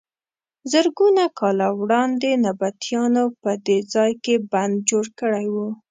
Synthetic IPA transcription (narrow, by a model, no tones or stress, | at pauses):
zəɾɡunakɑlawɽɑnd̪enabat̪jɑnopəd̪ed͡zɑjkeband̪̚d͡ʒoɽkəɽajwu